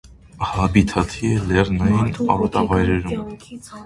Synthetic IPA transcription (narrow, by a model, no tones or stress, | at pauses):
hɑbit̪ʰɑt̪ʰiɛlɛɾnɑjinɑ̰ɾɔt̪ɑvɑjɾɛɾum